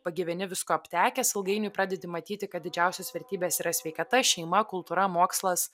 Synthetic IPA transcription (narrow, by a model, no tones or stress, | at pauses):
pɐɡʲɪʋʲɛnʲɪʋʲɪskoːɐpʲt̪ʲæːkʲɛsɪlˠɡɐɪnʲʊɪpɾɑːd̪ʲɛd̪ʲɪmɐt̪ʲiːt̪ʲɪkɐt̪̚d̪ʲɪd͡ʒʲɛˑʊsʲoːsʋʲɛɾʲt̪ʲiːbʲeːsiːɾɐsʲʋʲɛɪkɐt̪ɐʃʲɛɪmɐkʊlˠt̪uːɾɐmoːkslˠɐs